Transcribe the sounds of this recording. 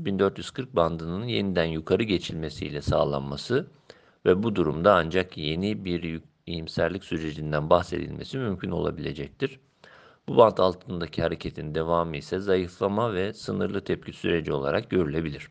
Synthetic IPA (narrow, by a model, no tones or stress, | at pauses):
bind̪øɾt̪jyz̥kʰɯɾk̚band̪ɯnɯnje̞nid̪ænjukʰaɾɯɟe̞t͡ʃʰilʲme̞sijlʲɛsaːlˠa̰nmasɯ | vɛbud̪uɾumd̪aand͡ʒakje̞nibiɾj | ijimsæɾlʲicʲsyɾe̞d͡ʒind̪ænbahse̞̰d̪ḭlʲme̞simymcʰyno̞̰lˠa̰bilʲe̞d͡ʒɛc̚t̪ʰiɾ̥ | bubant̪ʰalˠt̪ʰɯnd̪acʰihaɾe̞cʰe̞t̪ʰind̪e̞vaːmɯisɛzajɯflˠamavɛsɯnɯɾlˠɯt̪ʰɛp̚cʰysyɾe̞d͡ʒio̞lˠa̰ɾak̚ɟø̞ɾylʲe̞bilʲiɾ̥